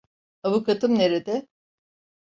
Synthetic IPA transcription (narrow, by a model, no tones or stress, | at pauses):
havukat̪ʰɯmne̞ɾed̪ɛ